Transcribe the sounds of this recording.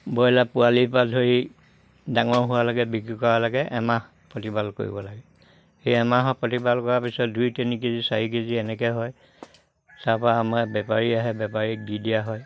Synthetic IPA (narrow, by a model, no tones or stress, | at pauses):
bɔjlapualipadʱoɹi | daŋɔɹɦʊwalɔɡɛbikɹikɔɹalaɡɛʔɛmah | pɹotibalko̰ɹḭbɔlaɡɛ | xejɛmaɦɔpɹotibalkɔɹapisɔt̚dujtenikezisaɹik̬eziɛnɛkɛɦɔj | taɹpɔaːmabɛpaɹiaɦɛbɛpaɹiɡidiaɦɔj